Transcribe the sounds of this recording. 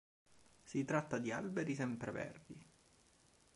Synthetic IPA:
sit̪ɾat̪ːad̪ia̰lbeɾisɛmpɾevɛ̰rd̪i

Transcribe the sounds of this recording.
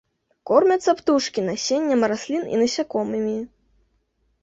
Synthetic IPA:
kɔrmʲɐt̪sːɐpt̪uʂkʲinasʲenʲːɐmɾasʲlʲinḭnɐsʲakɔmɨmʲi

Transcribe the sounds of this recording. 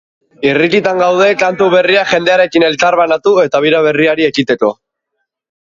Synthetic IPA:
irikit̪aŋɡawð̞e̞kant̪uβe̞riaʝe̞nd̪e̞aɾe̞kine̞lt͡saɾβanat̪ue̞t̪aβ̞iɾaβ̞e̞riaɾie̞kit̪e̞ko̞

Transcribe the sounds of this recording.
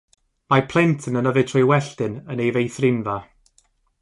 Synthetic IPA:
mapʰl̥ˠɛntʰənənəvɨtʰrɔjwɛɬdɪnənejvejθrɪnva

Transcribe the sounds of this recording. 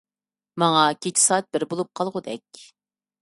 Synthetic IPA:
mɑŋɑkʲʰet͡ʃʰi̥sɑːt̪̚bɪɾbolˠup̚qʰɑlˠʁʊd̪ɛk̚ʲ

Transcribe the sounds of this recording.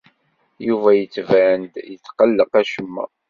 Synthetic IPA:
juvæjət͡sːvænd̪jət͡sːqəlːəqæʃəmːæ̰

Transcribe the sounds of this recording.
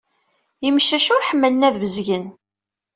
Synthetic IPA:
imʃæʃʊɾħəmːələnæðvəzʝən

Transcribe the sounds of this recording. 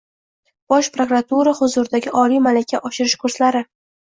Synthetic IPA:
b̥ɒʃpɾokɾat̪uɾahʊzʊɾɪd̪aɡʲɪʔɒlijmalakʲʰːaʔɒʃɪɾɪʃkʰʊɾslaɾɪ

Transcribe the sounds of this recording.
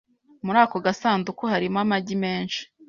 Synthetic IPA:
muɾaːko̞ɡasaːndukohaɾimamaɟime̞ːnʃi̥

